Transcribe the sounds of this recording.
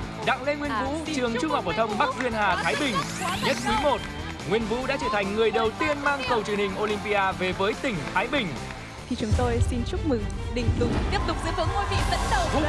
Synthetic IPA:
ɗa̰ː˧˨ŋle˧ŋwi˧ənvṵ˧˥t͡ɕɨ˨˩əŋt͡ɕʊ˧ŋ͡mha˨˩k͡p̚vəː˧˩t̪ʰə˧wŋ͡mɓa˦˥k̚zwi˧ənhaː˨˩t̪ʰaː˨˦jɓï˨˩ŋ̟ɲə˦˥t̚ki˨˦mo˨˩t̚ | ŋwi˧ənvṵ˧˥ɗa̰ː˧˥t͡ɕəː˧˩t̪ʰa˨˩jŋ̟ːŋɨ˨˩əjɗə˨˩wt̪i˧ənmaː˧ŋkə˨˩wt͡ɕɨ˨˩əŋhï˨˩ŋ̟ʔo˧lï˧mpi˧ʔaː˧ve˨˩vəː˨˦jt̪ï˨˩ŋ̟t̪ʰaː˨˦jɓï˨˩ŋ̟ | t̪ʰi˨˩t͡ɕʊ˨˦ŋ͡mt̪o˧jsi˧nt͡ɕʊ˦˥k͡p̚mɨ˨˩ŋɗï˨˩ŋ̟t̪ʊ˨˦ŋ͡mt̪i˦˥əp̚t̪ʊ˨˩k͡p̚zɨ˨˧˦əvɨ̰˧˥əŋo˧jvḭ˧˨zə̰˧˥n˧˥

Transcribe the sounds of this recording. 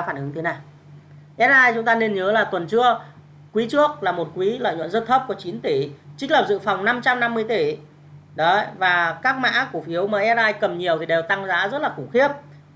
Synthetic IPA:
faː˧˩nʔɨ˨˦ŋt̪ʰe˨˦naː˨˩j | ʔɛ˦˥t̚aː˧jt͡ɕʊ˨˦ŋ͡mt̪aː˧ne˧nɲəː˨˦laː˨˩t̪wə˨˩nt͡ɕɨ˧ə | kwi˨˦t͡ɕɨ˦˥ək̚laː˨˩mo˨˩t̚kwi˨˦lə̰˧˨jɲwə̰˧˨nzə˦˥t̚t̪ʰə˦˥p̚ku˧˩ət͡ɕi˨˦nt̪i˧˩t͡ɕï˦˥lə˨˩p̚zɨ̰˧˨fa˨˩wŋ͡mna˧mt͡ɕa˧mna˧mːɨ˧əjt̪i˧˩ | ɗɔ˨˦vaː˨˩kaː˦˥k̚ma̰ː˧˥ku˧˩əfi˨˦əwmaː˨˩ʔɛ˦˥t̚laː˧jkə˨˩mɲi˨˩əwt̪ʰi˨˩ɗe˨˩wt̪a˧ŋza̰ː˧˥zə˦˥t̚laː˨˩kʊ˧˩ŋ͡mxi˦˥əp̚

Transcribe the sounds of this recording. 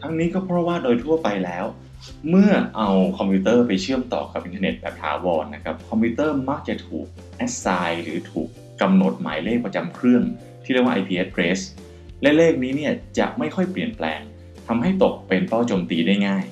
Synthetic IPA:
t̪ʰa˦˥ŋniː˦˥kɔː˥˩pʰɾɔ˦˥waː˥˩doː˧jt̪ʰu˥˩ɐpa˧jlɛː˦˥w | mɯ˥˩ɐʔa˧wkʰɔ˧mpʰuː˦˥t̪ɤː˥˩pa˧jt͡ɕʰɯ˥˩əmt̪ɔ̰ː˨˩ka˨˩p̚ʔi˨˩nʰː˧ne˨˩t̪̚bɛː˨˩p̚t̪ʰa̰ː˩˦wɔː˧nːa˦˥kʰa˦˥p̚kʰɔ˧mpʰiu˦˥t̪ɤː˥˩ma˦˥k̚t͡ɕa˨˩t̪ʰuː˨˩k̚ | ʔɛ˦˥t̚saː˧jɾɯ̰ː˩˦t̪ʰuː˨˩kːa˧mno˨˩t̪̚ma̰ː˩˦jleː˥˩k̚pɾa˧t͡ɕa˧mkʰɯ˥˩ən | t̪ʰiː˥˩ɾi˥˩waː˥ʔa˧jpʰiː˧ʔe˦˥t̪̚ːɾeː˦˥s | lɛ˦˥leː˥˩k̚niː˦˥ni˥˩ɐt͡ɕa̰˨˩ʔma˥˩jxʰɔ˥˩jpli˨˩ənplɛ̰ː˧ŋ | t̪ʰa˧mɦa˥˩jt̪o˨˩k̚pe˧nt̪ɔː˥˩t͡ɕoː˧mt̪iː˧daː˥˩jŋaː˥˩j

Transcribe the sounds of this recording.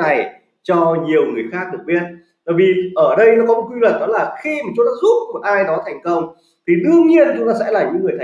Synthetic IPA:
a˨˩j | t͡ɕɔ˧ɲi˨˩əwŋɨ˨˩əjxaː˦˥k̚ɗɨ˨˩əɓi˧ət̚ | t̪a˧˩jvi˨˩ʔəː˧˩ɗə˧jnɔ˨˦kɔ˨˦mo˨˩t̚kwi˧lwə˨˩n̚ɗɔ˨˦laː˨˩xi˧ma˨˩t͡ɕu˨˦ɗɔ˨˦zu˦˥p̚mo˨˩t̚ʔaː˧jɗɔ˨˦t̪ʰɛ˨˩jŋ̟kə˧wŋ͡m | t̪ʰi˨˩ɗɨ˧əŋɲi˧ənt͡ɕʊ˨˦ŋ͡mt̪aː˧sɛ̰˧˥laː˨˩ɲɨ̰˧˥ŋɨ˨˩əjt̪ʰ

